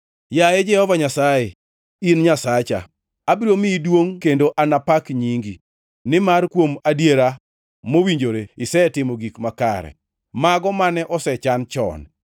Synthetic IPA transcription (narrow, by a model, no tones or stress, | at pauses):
jajɛd͡ʒɛhɔvaɲasaje | inɲasat͡ʃa̰ | abiɾomɪdwoŋkendoʔanapakɲiŋɡi | nɪmarkwomadjeɾa | mowiɲd͡ʒoɾeɪsɛtɪmoɡikmaka̰ɾɛ̰ | maɡɔmanɛʔɔsɛt͡ʃant͡ʃɔ̰n